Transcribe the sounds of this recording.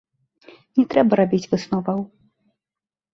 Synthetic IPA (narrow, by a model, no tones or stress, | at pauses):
nʲɛt̪ɾɛbɐɾabʲit͡sʲvɨsnɔvɐw